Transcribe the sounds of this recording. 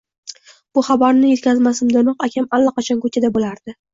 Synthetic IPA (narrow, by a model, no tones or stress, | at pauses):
b̥ʊχɑbaɾnɪje̞t̪̚kʲʰazmasɪmd̪ɪnʊqakʲamalːaqɑt͡ʃʰɒnkʰot͡ʃʰʲad̪abolaɾd̪̥ɪ